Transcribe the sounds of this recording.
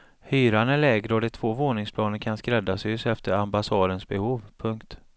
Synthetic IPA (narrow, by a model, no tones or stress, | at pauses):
hyːɾanæɭɛːɡɾəɔd̪ɛt̪ʰv̥oːvoːnɪŋspʰlɑːnənkʰanskɾɛd̪ːasʏsɛft̪əɾambasɑːd̪ənsbɛhuːvpʰɵŋkt̪